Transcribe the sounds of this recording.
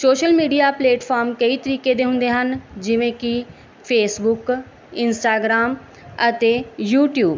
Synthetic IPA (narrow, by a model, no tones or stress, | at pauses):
soːʃəlmiːɖijaːpleːʈpʰaːɾmkəiːt̪əɾiːkeːd̪eːɦʊ̃nd̪eːɦənd͡ʒɪʋẽːkɪ | pʰeːsbʊk | ɪnsʈaːɡɾaːm | ət̪eːjuːʈjuːb